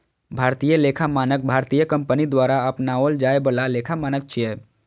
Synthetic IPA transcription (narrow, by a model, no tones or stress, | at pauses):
bʱaːɾt̪ijəleːkʰamaːnək̚bʱaːɾt̪ijəkə̃mpənid̪waːɾaəpnaold͡ʒaːebəlaleːkʰamaːnək̚t͡ʃʰiɛː